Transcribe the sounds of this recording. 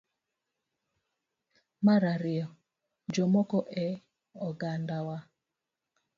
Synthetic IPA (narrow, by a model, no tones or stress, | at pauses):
maɾaɾɪɔ | d͡ʒɔmɔkɔʔɛ | ɔɡandawa